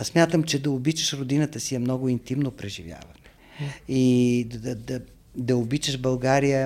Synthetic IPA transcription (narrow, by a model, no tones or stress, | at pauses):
smʲjat̪əmt͡ʃɛd̪ɐobit͡ʃəʃɾod̪inət̪əsijɛmnɔɡʊint̪imnopɾɛʒivʲja̰vən | iɐd̪ɐ | d̪ɐobit͡ʃəʃbɐlˠɡaɾijə